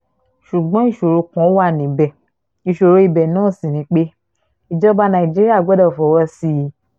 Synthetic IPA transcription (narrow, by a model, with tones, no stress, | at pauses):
ʃu˨ɡ͡bɔ̃˨˦i˦˨ʃo˨ɾo˧kɔ̃˨˦wa˦˨nĩ˨˦bɛ˨ | i˨ʃo˨ɾo˨˧i˧˨bɛ˨nãː˦˨sĩ˨nĩ˨˦k͡pe˦ | i˨d͡ʒɔ˦ba˧˦nã˨i˨d͡ʒi˦ɾi˦a˦˨ɡ͡bɔ˦dɔ˦˨fɔ˨˦wɔ˧si˧˦˨